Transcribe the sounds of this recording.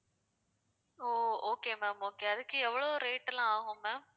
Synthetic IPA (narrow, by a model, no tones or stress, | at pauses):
oːoːkeːmɛːmoːkeːɐðɯkːɯɛʋːɐɭoːɾeːʈːlãaːɣʊ̃mɛːm